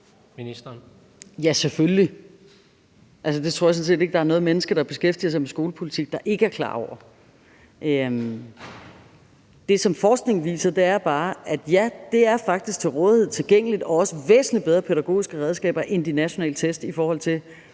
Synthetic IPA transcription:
minisd̥ɐn | jæsefølli | ʔælsəd̥e̝t͡sʰo̝ɐ̰jɑsɔ̽nse̝̰ːd̥e̝ɡ̥̚d̥ɑ̈æɐnɔ̽ːð̩ˠmenəsɡ̥ɐd̥ɑ̈b̥e̝sɡ̥efd̥ḭɐs̬ɑ̈ɪmesɡ̥o̝ːləpʰo̝lit͡sʰiɡ̥̚d̥ɑ̈ʔe̝ɡ̥əæɐkʰlɑ̰̈ːɒʊɐ | ʔø | d̥e̝sɒ̽mfɒːsɡ̥ne̝ŋʋḭːsɐd̥e̝æɐb̥ɑ̈ːæd̥jæd̥e̝æɐfɑ̈ɡ̥̚d̥isɡ̥̚t͡sʰe̝lʁɔ̽ːðˠhe̝ð̞̰ˠt͡sʰe̝lɡ̥eŋ̰əlid̥ɒ̽ɒ̽səʋḛːsn̩libeð̞ˠʁɐpʰeðˠæɡ̥o̝̰ːisɡ̥əʁɛð̞ˠsɡ̥ɛ̰ːb̥ɐʔe̝nd̥inæɕo̝nɛ̰ːlət͡sʰesd̥ifɒːhɒ̽l̰t͡sʰe̝l

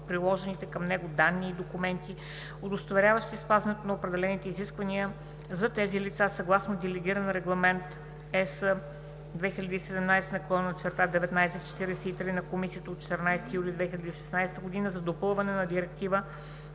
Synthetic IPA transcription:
pɾilˠɔʒɛnit̪ɛkɐmnɛɡʊd̪anːiːd̪okumɛnt̪i | od̪ost̪ovɛɾʲjavəʃt̪ispazɐnɛt̪onɐopɾɛd̪ɛlɛnit̪ɛiziskvɐniə | zɐt̪ɛzilit̪sasɐɡlˠasnod̪ɛlɛɡʲiɾənɾɛɡlˠɐmɛnt̪ | ɛsə | d̪vɛxilʲəd̪iːsɛd̪ɛmnajst̪ɛnɐklˠɔnnt͡ʃ̪ɛɾt̪ad̪ɛvɛt̪najsɛt̪t͡ʃɛ̥t̪iɾɛsɛit̪ɾinɐkomisiət̪əot̪t͡ʃɛ̥t̪əɾnajst̪ijulʲid̪vɛxilʲɐd̪iːʃɛ̥snajst̪əɡod̪inəzɐd̪opɤlˠvɐnɛnɐd̪iɾɛkt̪ivə

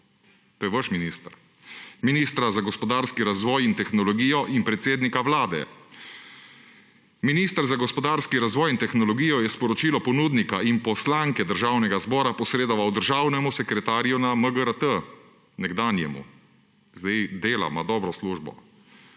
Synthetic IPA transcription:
t̪oːjɛʋəʃminiːst̪əɾ | miniːst̪ɾazaɡɔspɔd̪aːɾskiɾazʋɔːjint̪ɛxnɔlɔɡiːjɔʔinpɾɛt̪seːd̪nikawlaːd̪ɛ̰ | miniːst̪əɾzaɡɔspɔd̪aːɾskiɾazʋɔːjint̪ɛxnɔlɔɡiːjɔjɛspɔɾɔt͡ʃiːlɔpɔnuːd̪nikaʔinpɔslaːŋkɛd̪əɾʒaːwnɛɡazbɔːɾapɔsɾeːd̪ɔʋawd̪əɾʒaːwnɛmusɛkɾɛt̪aːɾjunaməɡəɾət̪ə | nɛɡd̪aːnjɛ̰mṵ | zd̪ɛjd̪eːla̰mad̪ɔːbɾɔsluːʒbɔ̰

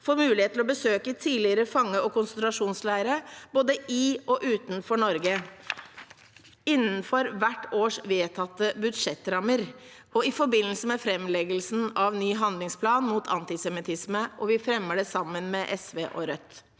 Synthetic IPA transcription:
foːɾmʉːlɪheːt̪ʰːlɔbəsøːkət̪ʰiːlɪəɾəfɑŋːəɔkʊnsənt̪ɾɑʂuːnslæɪɾəboːd̪əɪɔʔʉːt̪nfɔɳɔɾɡə | ɪnːənfɔɾʋæʈːoːʂʋeːt̪ʰɑt̪ːəbʉd̪ʂɛt̪ːɾɑməɾ | ɔɪfɔɾbɪnːəlsəmɛfɾɛmlɛɡəlsn̩ɑʋnyːɦɑnd̪lɪŋspʰlɑːnmuːt̪ʰɑ̰nt̪ɪsɛmɪt̪ʰɪsməʔɔʋɪfɾɛmːəɖɛsɑmːənmɛʔɛsʋeːʔɔ̰ɾœt̪ː

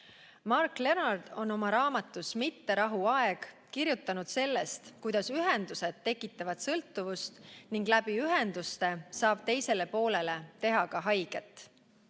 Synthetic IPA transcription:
mɑrkːle̞nɑrd̪̥o̞no̞mɑɾɑːmɑt̪ːˑusmit̪ːe̞ɾɑɦuɑe̞ɡ̥ | kiɾjut̪ːˑɑnud̪̥se̞lːe̞st̪kujd̪̥ɑsyɦe̞nd̪̥use̞d̪̥̚ːe̞kːˑit̪ːˑɑvɑd̪̥sɤlt̪ːˑuvust̪niŋɡ̥læb̥iyɦe̞nd̪̥ust̪e̞sɑːb̥̚t̪e̞jse̞le̞po̞ːle̞le̞t̪e̞ɦɑkɑɦɑjɡ̥e̞t̪ːˑ

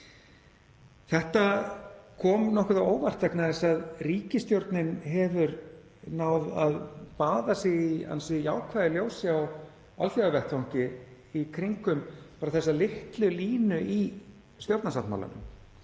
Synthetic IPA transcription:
θɛht̪akʰɔːmnɔhkʏðaoːwvar̥t̪vɛknaðɪsaðriːcɪst̪jowɾt̪nɪnɦɛvʏɾ | nawðaðpaːðasɛɣia̰nsʏjaːwkʰvaðɪljoːwsɪaw | a̰lθjaɣavɛr̥t̪fawŋ̥cɪ | ikʰɾiŋkʏmpaːɾaθɛsːalɪht̪lʏliːnʏʔi | st̪jowɾt̪nasat̪ma̰wla̰nʏ̰m

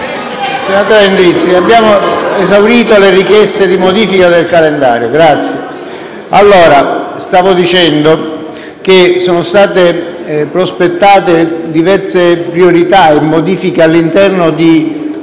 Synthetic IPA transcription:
senːat̪aːɾend̪ɾit̪sːiabːjaːmoezawɾiːt̪olerikjɛst̪ed̪imod̪iːfikad̪elkalend̪a̰ːɾjoɡɾat̪sːje | alːoːɾast̪aːvod̪it͡ʃɛnd̪o | k̟esoːnost̪aːt̪e | pɾospet̪ːaːt̪ed̪ivɛrsepɾioɾit̪aemːod̪iːfikealːint̪ɛrnod̪i

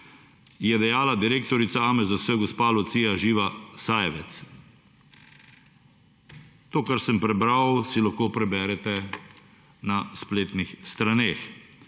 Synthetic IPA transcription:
jɛd̪ɛjaːlad̪iɾeːkt̪ɔɾit̪saaːmɛzawsəɡɔspaːlɔt̪siːjaʒiːʋasaːjɛʋɛt̪s | t̪oːkaɾsəmpɾɛbɾawsilaxkoːpɾɛbɛːɾɛt̪ɛ | naspleːt̪nixst̪ɾaneːx

